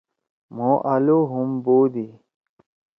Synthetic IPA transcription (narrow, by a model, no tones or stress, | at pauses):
moʔɐloɦumboːd̪i